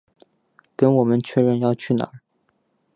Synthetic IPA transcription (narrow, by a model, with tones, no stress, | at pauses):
kə˥nwɔ˨˩mə˦nt͡ɕʰɥɛ˥ɻə˥˧njɑ˥˧ʊt͡ɕʰy˥˩na̰˨˧˥